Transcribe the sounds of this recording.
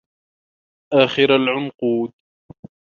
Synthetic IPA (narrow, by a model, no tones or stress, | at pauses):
ʔaːxɪɾalʕʊnquːd̪̚